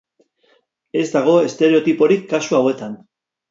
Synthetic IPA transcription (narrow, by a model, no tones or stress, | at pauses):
e̞zd̪aɣ̞o̞est̪e̞ɾe̞o̞t̪ipo̞ɾikːasuawe̞t̪an